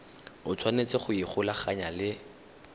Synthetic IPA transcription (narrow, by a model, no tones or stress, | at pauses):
ʊt͡sʰwanet͡sʼɪχʊiχʊlaχaɲalɪ